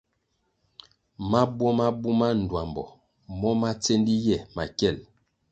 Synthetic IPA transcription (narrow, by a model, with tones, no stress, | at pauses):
ma˦bwɔ˦ma˦bu˦ma˦n̩˨dwa˨mbɔ̰˨ | mɔ˦ma˦t͡se˦ndi˦jɛ˦˨ma˨kɛ˦˨l